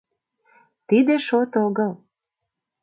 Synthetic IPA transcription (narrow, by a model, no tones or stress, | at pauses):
t̪id̪eʃot̪oɣəl